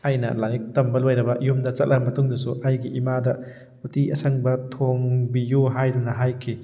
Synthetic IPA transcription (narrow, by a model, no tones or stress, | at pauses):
ajnɐ̰lajik̚tɐmbɐlojɾɐbɐʔijumdɐt͡ʃɐt̚lʔɐbɐmɐtuŋdɐsuʔɐjɡiimadɐ | utiʔɐsɐŋbɐtʰoŋbijuɦajdunɐɦajkʰi